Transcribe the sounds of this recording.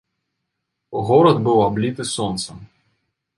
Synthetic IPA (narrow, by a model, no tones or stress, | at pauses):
ɣɔɾɐd̪bɨwablʲit̪ɨsɔnt̪sɐ